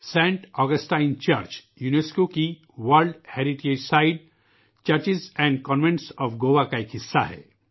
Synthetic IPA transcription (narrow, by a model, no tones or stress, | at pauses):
sɛ̃ːɳʈɔːɡəsʈaːɪnt͡ʃəɾt͡ʃ | juːneskoki | ʋəɾlɖheːɾɪʈeːd͡ʒsaːɪɖ | t͡ʃɐɾt͡ʃɪzɛ̃ːɳɖkɔːnʋẽɳʈsɔːfɡoːʋakaekɦɪsːa̰ɦɛ̰ː